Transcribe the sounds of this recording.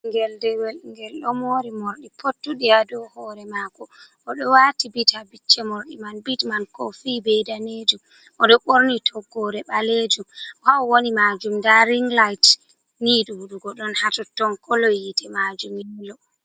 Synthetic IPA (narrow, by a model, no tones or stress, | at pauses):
ŋɡɛldɛwɛlŋɡɛlɗɔmoːɾimoɾɗipʰotːuɗiadɔhɔːɾɛmakɔ | ʔɔɗɔwaːtibitʰabit͡ʃːɛmoɾɗimanbitmankɔfibɛjdaned͡ʒum | ʔɔɗɔɓoɾnitʰɔɡːɔɾɛɓaled͡ʒumhawwonimad͡ʒumndaɾiŋɡlajt | niːɗuwuɗuɡɔɗɔnhatɔtːɔnkʰɔlɔjitɛmad͡ʒumjɛlɔ